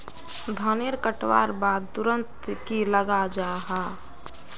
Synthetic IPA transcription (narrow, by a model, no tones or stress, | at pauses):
d̪ʱaneɾkəʈʋa̰ːɾbaːd̪̚t̪ʊɾə̃nt̪kiləɡad͡ʒaːɦaː